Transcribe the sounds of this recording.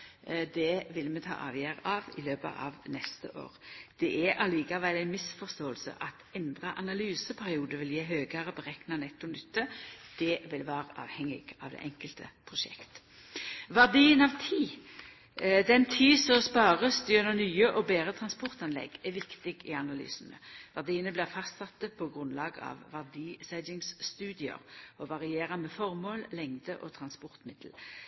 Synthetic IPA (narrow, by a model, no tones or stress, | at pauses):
d̪ɛʋɪlmɛt̪ʰɑ̰ːʔɑ̰ːʋjæːɾəɑʋɪ̰løːpə̰ʔɑ̰ʋnɛst̪ə̰ʔo̰ːɾd̪̥ɛʔɛʔɑliːkɑʋæɪlæɪnmɪsfɔʁst̪oːəlsə̰ʔɑt̪ɛnd̪ʁəʔɑnɑlyːsəpʰæʁɪuːd̪əʋɪljeːɦøːɡəʁəpɔʁɛknɑnɛt̪ːʊnʏt̪ːəd̪̥ɛʋɪlʋæːɾəʔɑ̰ːʋhɛŋːɪ̰ɡ̥ɑʋd̪ɛ̰ʔɛŋkəlt̪ʰəpʰʁʊʃɛ̰kt̪ | ʋæʁd̪iːənɑʋt̪ʰiː | d̪ɛnt̪ʰiːsɔspɑːʁəsd̪yːnənyːəʔɔbeːʁət̪ʰʁɑnspɔʁt̪ɑnlɛ̰ɡɛʋɪkt̪ɪɡɪɑnɑly̰ːsənə̰ʋæʁd̪iːənəblɪʁfɑst̪sɑt̪ːəpʰɔɡʁʉnlɑːɡɑ̰ʋʋæʁd̪iːsæd̪ɪŋsst̪ʉːd̪ɪə̰ɾɔʋɑʁɪeːʁəmɛːfɔʁmoːllɛŋd̪əʔɔt̪ʰʁɑnspɔʁt̪mɪd̪̥l̩